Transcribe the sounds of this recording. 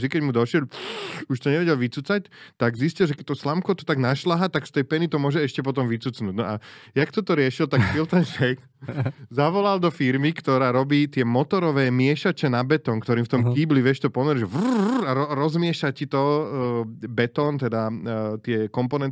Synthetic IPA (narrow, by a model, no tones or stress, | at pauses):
d̪ikɛɟmud̪ɔʃɛʎuʃt̪ɔɲɛʋɛɟɛlʋit͡sut͡sact̪aɡziscilʒɛkɛc̚t̪ɔslamkɔt̪ɔ̥t̪aɡnaʃlaɦat̪akst̪ɛjpɛnit̪ɔmʊɔʒɛɛʃcɛpɔt̪ɔmʋit͡sut͡snuːɟnɔʔajakt̪ɔt̪ɔɾɪɛʃilt̪akfilt̪ɛɲʃɛk | zaʋɔlald̪ɔfiɾmikt̪ɔɾaːɾɔbiːt̪ɪɛmɔt̪ɔɾɔʋɛːmɪɛʃat͡ʃɛnabɛt̪ɔnkt̪ɔɾiːmft̪ɔmkiːbliʋɪɛʃt̪ɔpɔmɛɾiʒɛʋaɾɔɾɔzmɪɛʃacit̪ɔ | bɛt̪ɔnt̪ɛd̪at̪ɪɛkɔmpɔnɛn